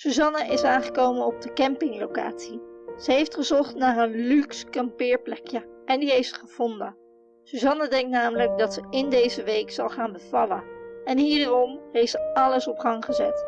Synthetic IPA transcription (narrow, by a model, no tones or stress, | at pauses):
syzɑnaʔɪsaːnχəkowmənɔb̚dəkɛmpɪŋlowka̰ːtsiz̥əɦejftχəzɔχtnaːɹənlykskɑmpɪːɹplɛkjəʔɛndiɦejftsəχəv̥ɔndə | suzɑnadɛŋk̚tnaːmələk̚dɑtsəɪndejzəʋejksɑlˠχaːnbəv̥ɑlənɛnɦiːdərɔmɦejftsəɑləsɔpχɑŋχəzɛ̰t